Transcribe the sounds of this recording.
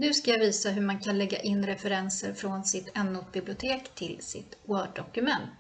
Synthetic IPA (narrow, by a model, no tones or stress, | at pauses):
nʉ̟ːskajaviːsaɦɵmankʰanlɛɡːa̰ʔɪnːɾɛfɛɾɛnsəɾfɾɔnsɪt̪ʰɛnːʊt̪̚bɪblɪʊt̪ʰeːkt̪ʰɪlsɪ̰t̪wœːɖɔkɵmɛnt̪